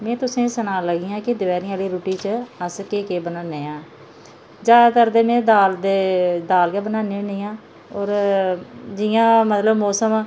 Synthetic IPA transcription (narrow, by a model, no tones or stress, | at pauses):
mɛ̃ːt̪ʊsẽːsənãːləɡiːãːkɪd̪ɪʋɛːɾĩaːliːɾuːʈiːt͡ʃəəskeːkeːbənaːneːãː | d͡ʒaːd̪at̪əɾd̪eːmẽːd̪aːld̪eːd̪aːlɡaːbənãːneːniːãː | ɔːɾ | d͡ʒɪjãːmət̪ləbmɔːsəm